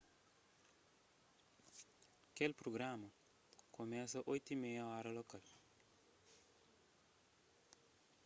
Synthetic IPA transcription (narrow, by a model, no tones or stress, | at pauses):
kelpɾoɡɾamɐ | komɛsɐʔojt̪imɛjɐɔɾɐlokal